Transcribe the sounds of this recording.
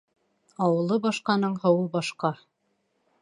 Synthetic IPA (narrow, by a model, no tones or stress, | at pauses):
ɑwɤ̆lˠɤbɑʃqɑnɤɴqɤ̆wɤlˠbɑʃqɑ